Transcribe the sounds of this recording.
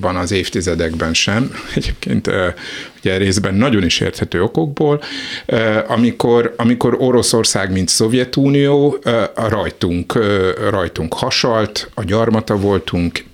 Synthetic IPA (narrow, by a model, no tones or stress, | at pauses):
bɒnɒzeːft̪izɛd̪ɛɡbɛnʃɛmɛɟeːp̚kḛːnt̪ːuɟɛɾeːzbɛnːɒɟo̞niʃḛːrt̪hɛt̪øːo̞ko̞ɡ̚boːl | ɒmiko̞rɒmiko̞ɾo̞ɾo̞so̞rsaːɡmint̪so̞vjɛt̪uːnijoːrɒjt̪uŋkːrɒjt̪uŋkhɒʃɒlt̪ɒɟɒrmɒt̪ɒvo̞lt̪uŋk